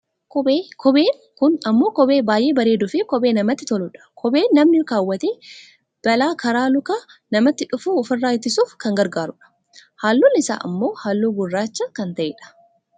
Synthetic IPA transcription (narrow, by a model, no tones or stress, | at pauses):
kːkʰɔbeːn | kʊnɐmːo̞ːkɔbe̞ːbaːjʔe̞ːbɐɾeːd̪ʊfɪkɔbeːnɐmɐt̪ːɪt̪ɔlʊᶑɐ̥kʰɔbeːnːɐmnɪkaːwːɐt̪eː | b̥ɐlaːkɐɾaːlʊkaːnɐmɐt̪ːɪᶑʊfuːʊfɪrːaːjɪt̪ːɪsuːfkɐŋɡɐɾɡaːɾʊᶑɐ̥ | haːlːunːɪsa̰ːʔɐ̰mːo̞ːhaːlːuːɡʊrːaːt͡ʃːɐkɐnt̪ɐʔḛːᶑɐ̥